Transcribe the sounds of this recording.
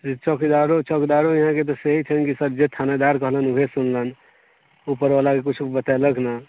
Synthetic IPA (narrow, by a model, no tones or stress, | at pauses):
t͡ʃəkd̪aɾot͡ʃɔkd̪aɾojiɦãket̪̬ɔseɦit͡ʃʰənkisəbd͡ʒet̪ʰaned̪aɾkəɦlənuɦesunlən | upəɾalakekut͡ʃʰubət̪aləɡna